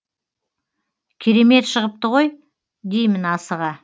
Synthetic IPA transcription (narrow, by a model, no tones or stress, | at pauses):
kʲʰeɾe̞me̞t̪ʃəʁəp̚t̪əʁo̞j | d̪e̞jmɪnɑsəʁɑ